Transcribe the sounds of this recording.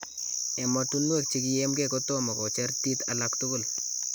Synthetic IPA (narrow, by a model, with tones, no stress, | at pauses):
ɛ˨mɔ˨tu˦nwe˦˨k̚t͡ʃi˦kɪjɛ˦mɡɛ˦˨ko˦to˦ma˨ko˨t͡ʃɛ˦ɾti˦talaktʊ˦ɡʊ˦˨l